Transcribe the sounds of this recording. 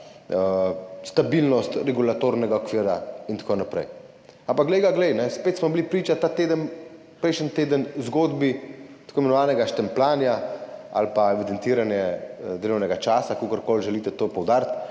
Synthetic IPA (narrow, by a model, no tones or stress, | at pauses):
əst̪abilnɔst̪ɾɛɡulat̪oɾnɛɡaɔkʋiːɾaint̪akonapɾɛ̰j | ampakɡlɛjɡaɡlɛjnɛspeːt̪smɔbilipɾiːt͡ʃat̪at̪eːd̪ən | pɾɛjʃənt̪eːd̪ənzɡoːd̪bit̪akʰoimɛnɔʋaːnɛɡaʃt̪ɛmplaːnjaa̰lpaɛʋid̪ɛnt̪iːɾanjɛd̪elɔwnɛɡat͡ʃaːsakoːkəɾkoːlʒɛliːt̪ɛt̪oːpɔwd̪aːɾt̪